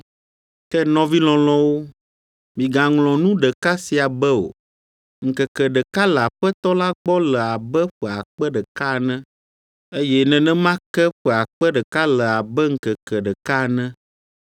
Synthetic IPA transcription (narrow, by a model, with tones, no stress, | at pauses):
kɛ˦nɔ̃˦vi˦l̃ɔ̃˨l̃ɔ̃˦wo˦ | mĩ˨ɡa˨ŋlɔ̃˨nũ˦ɖɛ˨ka˦si˨a˨bɛ˦o̰˨ | ŋ̩˨kɛ˨kɛ˨ɖɛ˨ka˦lɛ˨a˨ɸɛ˦t̪ɔ˦la˦ɡ͡bɔ˦lɛ˨a˨bɛ˦ɸɛ˨a˨k͡pɛ˦ɖɛ˨ka˦˨nɛ̃˦ | e˦jɛ˦nɛ̃˨nɛ̃˦mã˦kɛ˦ɸɛ˨a˨k͡pɛ˦ɖɛ˨ka˦lɛ˨a˨bɛ˦ŋ̩˨kɛ˨kɛ˨ɖɛ˨ka˦˨nɛ̃˦